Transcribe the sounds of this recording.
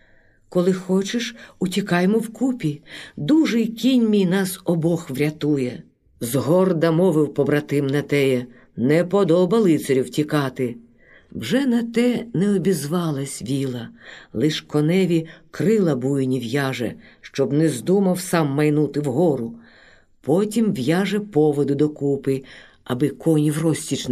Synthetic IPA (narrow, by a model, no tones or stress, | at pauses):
kɔlˠɪxɔt͡ʃɪʃutʲikɑjmɔwkupʲid̪uʒɪjkʲinʲmʲijnɑsɔbɔxʋɾʲɐt̪ujɛ | zɦɔrd̪ɐmɔʋɪwpɔbɾɐt̪ɪmnɐt̪ɛjɛ | nɛpɔd̪ɔbɐlˠɪt̪seɾʲiwtʲikɑt̪ɪ | wʒɛnɐt̪ɛnɛɔbʲizʋɑlˠɐsʲʋʲilˠɐlˠɪʃkɔnɛʋʲikɾɪlˠɐbujnʲiwjɑʒɛ̰ʃt͡ʃɔbnɛzd̪umɐwsɑmːɐjnut̪ɪwɦɔɾʊ | pɔtʲimʋjɑʒɛpɔʋɔd̪ʊd̪ɔkupɪ | ɐbɪkɔnʲiwrɔsʲtʲit͡ʃ